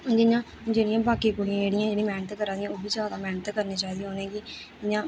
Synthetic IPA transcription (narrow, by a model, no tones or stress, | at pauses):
d͡ʒɪɲãː | d͡ʒeːɽɪjãːbaːkiːkʊɽɪãːeːɽɪjãːd͡ʒeːɽĩːmɛːnət̪kəɾaːd̪ɪjãːoːbiːzjaːd̪aːmɛːnət̪ːkəɾneːt͡ʃaːid̪ĩj̃aːoːnẽːɡɪ | ɪɲãː